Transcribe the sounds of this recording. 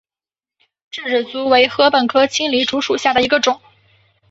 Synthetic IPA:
ʈ͡ʂ̩˥˩ʈ͡ʂɻ̩˨˩t͡su˧˥we˧˥ɪxɤ˧˥pə˨˩nkʰɤ˥t͡ɕʰi˥ŋli˧˥ʈ͡ʂu˧˥ʂu˨˩ɕja˥˩d̪ə˩i˧˥ɡə˧ʈ͡ʂʊ˨˩˦ŋ

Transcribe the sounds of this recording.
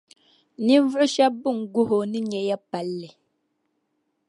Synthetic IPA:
ni˦vɨ˦ʔɨ˦ʃa˦bu˦˨ŋ˨ɡu˦ɦo˨ni˦ɲɛ˨ja˦pa˨˦lːɛ˨

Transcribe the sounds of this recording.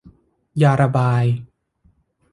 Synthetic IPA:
jaː˧ɾa˧baː˧j

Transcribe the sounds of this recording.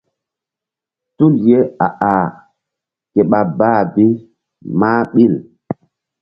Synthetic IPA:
tu˦lje˦a˨ʔa˨ | ke˨ɓa˨baː˦˨bi˦ | maː˦ɓi˦˨l

